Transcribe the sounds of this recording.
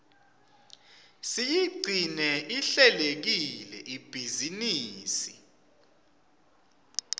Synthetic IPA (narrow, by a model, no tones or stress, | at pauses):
sijiɡ͡ǀʱinɛʔiɬɛlek̬ilɛ̰ʔib̥ʱiziniːsi